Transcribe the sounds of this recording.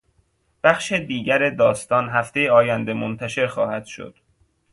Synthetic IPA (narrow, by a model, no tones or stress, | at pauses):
b̥æxʃed̪iːɟæɾed̪ɒːst̪ɒːnɦæft̪e̞jeɒːjænd̪e̞mont̪ʰæʃe̞ɾxɒ̰ːhæd̪̥ʃo̰d̪̥